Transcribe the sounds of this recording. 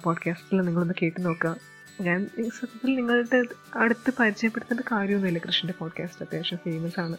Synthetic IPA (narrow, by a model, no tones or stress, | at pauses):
poːɖkaːsʈilniŋːɐɭo̞nːɨke̞ːʈːɨno̞ːkːɨaːm | ɲaːniːsɐd̪ɐt̪ːilniŋːɐɭʈːeɐɽɨt̪ːɨpɐɾid͡ʑɐjɐpːeɽut̪ːɐndɨkaːɾjɐmonːilːɐkrɨʂɳɐndepoːɖkaːstɐd̪jaːʂɐmfeːmɐsaːɳɨ